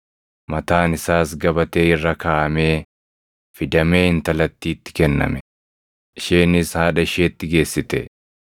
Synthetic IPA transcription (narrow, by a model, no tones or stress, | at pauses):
mɐt̪aːnɪsaːsɡɐbɐt̪e̞ːɪrːɐkaːʔɐme̞ː | fɪd̪ɐme̞ːhɪnt̪ɐlɐt̪ːiːt̪ːɪ̥kɛnːɐ̰mɛ | ɪʃeːnɪshaːᶑɐɪʃeːt̪ːɪɡe̞ːsːɪt̪ɛ̰